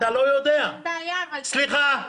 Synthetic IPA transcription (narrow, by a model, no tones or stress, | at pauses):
t̪alo̞jod̪ea | sliχa